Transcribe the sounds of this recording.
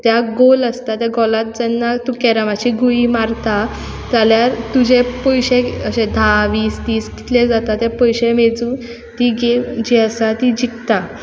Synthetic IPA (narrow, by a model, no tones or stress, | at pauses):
t̪jaɡoləst̪at̪jaɡɔlat̪̚d͡zɛnːat̪ũkɛɾamat͡ɕiɡuimaɾt̪a | t̪jaljaɾt̪ud͡ʑepəjɕeəɕẽd̪ʱaʋiːsd̪iːsɡi̥t̪led͡zat̪at̪japəjɕẽmed͡zuː | t̪iɡed͡ʑɛəsat̪id͡ʑikt̪a